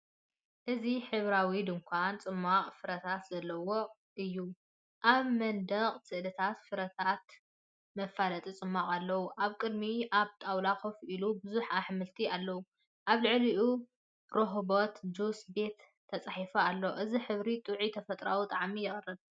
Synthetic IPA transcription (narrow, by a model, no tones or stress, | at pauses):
ʔɨziħɨβɾawid̪ɨŋkʷʰant͡sʼɨmːaqʼfɨɾɐt̪ʰat̪zɐlːɐwo | ʔɨjːu | ʔaβmɐnd̪ɐqʼsɨʔd̪ɐt̪ʰat̪fɨɾɐt̪ʰat̪ | mɐfːalɐt̪ʼit͡sʼɨmːaqʼalːɐwuʔaβkʼɨd̪miʔaβt̪ʼawlakofʔilubɨzuħaħmɨlt̪ʰialːɐwu | ʔaβlɨʕliʔu | ɾoɦbo̞t̪d͡ʒusbe̞t̪ʰː | ɐt͡sʼaħifɐalːoʔɨziħɨβɾit̪ʼuʕit̪ʰɐfɐt̪ʼɾawut̪ʼaʕmijɪχʼɨrːɨβ